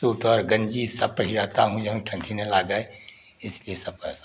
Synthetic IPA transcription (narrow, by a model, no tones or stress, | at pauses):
uːʈɔːɾɡə̃ɲd͡ʒisɐpəɦiɾəɦt̪aɦũd͡ʒɐɦũʈʰɐ̃ɳʈʰinelaːɡae | ɪsliesɐpə̰ɦs